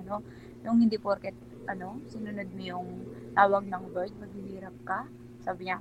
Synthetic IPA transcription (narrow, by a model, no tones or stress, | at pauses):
no̞ | j̪ʊŋhɪnd̪ipoɾkɛt̪̚ | ʔɐno̞sɪnʊnod̪̚mɪjʊŋt̪aːwɐɡ̚nɐŋbojd̪̚mɐɡiɦiːɾɐp̚ka | saːbɪɲa